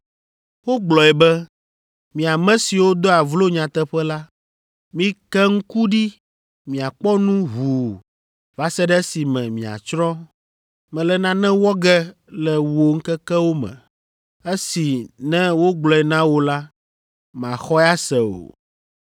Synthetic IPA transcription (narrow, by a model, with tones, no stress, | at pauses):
wo˦ɡ͡blɔ˨ɛ˨bɛ˦ | mĩ˨a˨mɛ̃˦si˨wo˦d̪o˦a˨vlo˦ɲã˨t̪ɛ˦ɸɛ˦la˦ | mĩ˦kɛ˦ŋ̩˦ku˦ɖi˦ | mĩ˨a˨k͡pɔ˦nũ˦ɦu˨ | va˦sɛ˦ɖɛ˦si˨mɛ̃˨mĩ˨a̰˨t͡ʃɾɔ˦ | mɛ̃˨lɛ˨nã˦nɛ̃˦wɔ˦ɡɛ˦ | lɛ˨wo˦ŋ̩˦kɛ˦kɛ˦wo˦mɛ̰̃˨ | e˦si˨nɛ̃˦wo˦ɡ͡blɔ˨ɛ˨nã˦wo˦la˦ | m˨ã˨xɔ˦ɛ˦a˦sɛ˨o̰˨